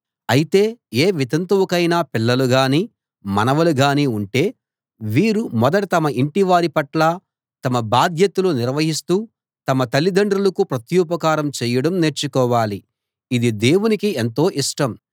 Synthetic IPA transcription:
ɐjit̪e̞ːeːʋit̪ɐnt̪uwɐkɐjnaːpilːɐluɡaːniː | mɐ̰nɐʋɐluɡaːniːuɳʈe̞ː | ʋiːɾumɔd̪ɐʈɐt̪ɐmɐʔiɳʈiʋaːɾipɐʈlaː | t̪ɐmɐbaːd̪ʱjɐt̪uluniɾʋɐɦist̪uː | t̪ɐmɐt̪ɐlːid̪ɐɳɖɾulɐkupɾɐt̪juːpɐkaːɾɐmt͡ʃɛːjɐɽɐmne̞ːɾt͡ʃːukɔːʋaːli | id̪id̪e̞ːwunikient̪o̞ːʔiʂʈɐm

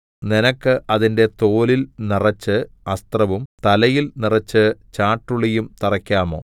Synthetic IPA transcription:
ninɐkːɨʔɐðinde̞t̪o̞ːlilnirɐt͡ɕːɨɐst̪rɐʋumt̪ɐlɐjilnirɐt͡ɕːɨt͡ɕaːʈːuɭijumt̪irɐkʲːaːmo̞̰ː

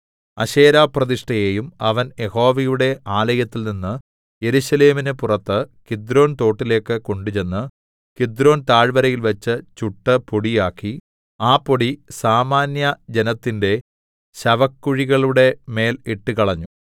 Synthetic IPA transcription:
ɐɕeːɾaːprɐðiʂʈɐjeːjumɐʋɐnje̞ho̞ːʋɐjuɽe̞ʔaːlɐjɐt̪ːilninːɨ | je̞ɾuɕɐle̞ːminɨpurɐt̪ːɨkid̪ɾo̞ːnt̪o̞ːʈːile̞ːkːɨko̞ɳɖut͡ɕe̞nːɨ | kid̪ɾo̞ːnt̪aːɻʋɐɾɐjilʋɐt͡ɕːɨt͡ɕuʈːɨpoɽijaːkːi | aːpːoɽisaːmaːnjɐd͡ʑe̞nɐt̪ːinde̞ | ɕɐʋɐkːuɻiɣɐɭuɽe̞me̞ːliʈːɨkɐɭɐɲːu

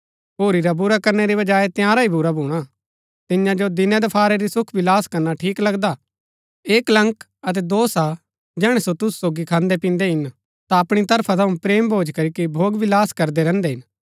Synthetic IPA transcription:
ɦoːɾiɾabʊɾakɐɾneɾiʋɐd͡ʒaːet̪jãːɾaibʊɾabʱuːɽ̃a | t̪ɪnjãd͡ʒod̪ɪnɛ̃d̪ɐpʰaːɾeɾisʊkʰʋɪlaːskɐɾnaʈʰiːklɐɡd̪a | eːklɐ̃ŋk | ɐt̪̬ɛd̪oːsa | d͡ʒɛːɽ̃ɛsot̪ʊssoːɡikʰãːnd̪epĩːnd̪eɦɪn | t̪aɐpɽ̃it̪ɐɾpʰat̪ʰɐũpɾeːmbʱoːd͡ʒkɐɾikibʱoːɡʋɪlaːskɐɾd̪eɾɛ̃ːnd̪eɦɪn

